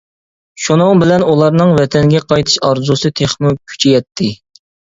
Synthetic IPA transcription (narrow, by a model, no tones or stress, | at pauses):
ʃunʊŋbɪlɛnulˠɑɾnɨŋvɛt̪ʰɛŋɡʲɛqʰɑjt̪ʰɨ̥ʃɑɾzusɨt̪ʰeχmukʲʰy̥t͡ʃʰɛjɛt̪ʰːɪ